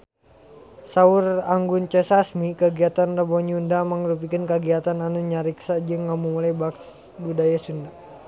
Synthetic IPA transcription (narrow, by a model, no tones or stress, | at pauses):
saʊraŋɡunt͡ʃɛsasmikəɡiat̪anrəbɔɲundaməŋɾup̬ikənkəɡiat̪ananuɲaɾiksad͡ʒɨŋːamumulajbaks | budajasunda